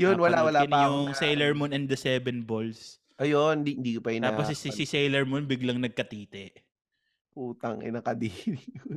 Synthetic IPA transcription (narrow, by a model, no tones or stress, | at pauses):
jonnwɐlawɐlanɐjʊŋsɛjlɛɹmonɛnd̪ɐsɛːbɛnbols | ʔɐjond̪iɪnd̪iːkopɐjʊ̃naːaossisɪsɛjlɛɹmonbɪɡlɐŋnɐɡ̚kɐt̪iːt̪ɛʔ | ʔuːt̪ɐŋʔɪ̰nɐkɐd̪i